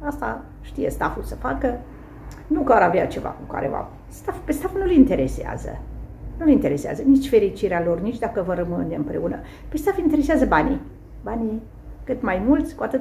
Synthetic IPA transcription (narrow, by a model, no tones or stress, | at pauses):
ast̪a | ʃt̪ijest̪afulsəfakə | nukaɾaveat͡ʃe̞va̰kuka̰ɾḛva̰ | st̪afpest̪afunulint̪e̞ɾe̞sea̰zə̰nulint̪e̞ɾe̞sea̰zənit͡ʃʲfe̞ɾit͡ʃiɾealo̞rnit͡ʃʲd̪akəvəɾəmɨneɨmpɾe̞unə̰ | pe̞st̪afint̪eɾe̞seazəbanḭ | bani | kɨt̪majmult̪sʲkuat̪ɨt̪